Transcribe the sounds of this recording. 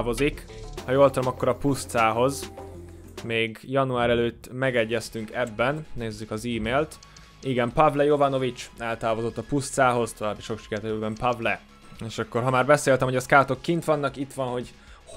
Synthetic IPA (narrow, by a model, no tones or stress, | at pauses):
vo̞zikhɒjoːlt̪ɒmɒkːo̞ɾɒpust̪saːɦo̞z | meːɡjɒnuaːɾɛløːt̪ːmɛɡɛɟːɛst̪yŋkɛbːɛnːeːzːykɒziːmeːlt̪ | iɡɛmpɒvlɛjo̞vɒno̞vit͡ʃɛlt̪aːvo̞zo̞t̪ːɒpust̪saːɦo̞zt̪o̞vaːbiʃo̞kʃi̥kɛɾt̪øbɛmpɒvlɛ | eːʃɒkːo̞rɦɒmaːrbɛseːlt̪ɛmɦoɒskaːt̪o̞kːint̪ʋɒnːɒkit̪ʋɒnɦo̞ɟ